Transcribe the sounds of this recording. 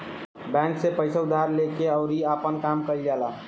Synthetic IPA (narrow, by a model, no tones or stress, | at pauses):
bɛ̃ŋksepəɪsaʊd̪ʱaɾlekeəʊɾiapənkamkəild͡ʒala